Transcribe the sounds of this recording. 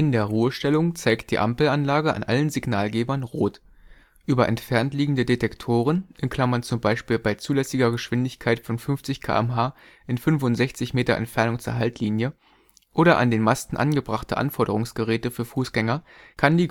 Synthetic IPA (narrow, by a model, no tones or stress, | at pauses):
ʔɪndeːɐʁuːəʃtɛlʊŋt͡saɪkt̚d̥iːʔa̰mpl̩anlaːɡəʔa̰nʔa̰lənzɪɡnaːlɡeːbɐnʁoːt | ʔyːbɐʔɛ̰ntfɛɐntliːɡŋ̩dədetɛktʰoːʁ̞ənʔɛnkʰl̥amɐnt͡sʊmbaɪʃpiːlbaɪt͡suːlɛsɪɡɐɡəʃv̥ɪndɪçkʰaɪtfɔnfʏnft͡sɪçkʰa̰ːʔɛmɦaː | ʔɪnfʏnfʊntz̥ɛçt͡sɪçmeːtɐʔɛ̰ntfɛɐnʊŋt͡suːɐɦaltliːnjə | ʔoːɾɐʔa̰ndeːnmastn̩ʔa̰nɡəbʁaχtəʔa̰nfɔɐɾəʁ̞ʊŋsɡ̥əʁɛːtəfyːɐfuːsɡ̥ɛŋɐkʰandiː